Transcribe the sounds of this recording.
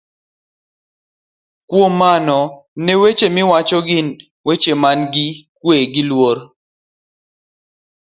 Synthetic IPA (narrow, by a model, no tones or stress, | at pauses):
kwomːanɔ | newet͡ʃemɪwat͡ʃɔɡɪn | wet͡ʃemanɡɪkweɡɪlwoɾ